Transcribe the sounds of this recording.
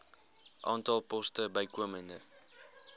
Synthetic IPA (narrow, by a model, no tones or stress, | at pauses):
ʔɑ̰ːntɑlˠpɔstəbəjkuəməndə